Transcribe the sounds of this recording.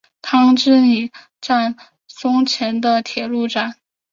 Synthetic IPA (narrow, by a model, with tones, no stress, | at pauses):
t̪ʰɑ˥ŋʈ͡ʂɻ̩˥ni˨˩ | ʈ͡ʂa˥˩n | sʊ˥ŋt͡ɕʰjɛ˧˥nd̪ə˧t̪ʰjɛ˨˩lu˥˩ʈ͡ʂa˨˩˦n